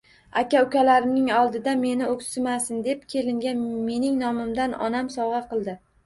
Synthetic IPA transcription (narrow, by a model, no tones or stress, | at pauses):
akʲaʊkʲalaɾɪnɪŋɒlˠd̪ɪd̪ame̞nɪokʲsɪmasɪnd̪e̞p̚kʲʰe̞lɪŋɡʲanme̞nɪŋnɒmɪmd̪anɒ̰namsɒwʁɑqʰɨlˠd̪ɪ